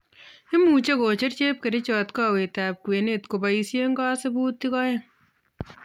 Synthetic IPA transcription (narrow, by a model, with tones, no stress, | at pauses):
ɪ˦mu˨t͡ʃe˦ko˨t͡ʃe˦ɾt͡ʃe˦p̚ke˨ɾe˦t͡ʃɔ˨tkɔ˦we˨ta˨p̚ku˨e˨ne˦˨tko˨ba˨i˧sje˦ŋɡɔ˦se˦buː˦tːi˦kɔ˦je˦˨ŋ